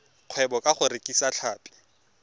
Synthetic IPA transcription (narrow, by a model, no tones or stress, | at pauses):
q͡χʰwɛbɔkʼaχʊɾekʼisaɬʰaːpʼɪ̥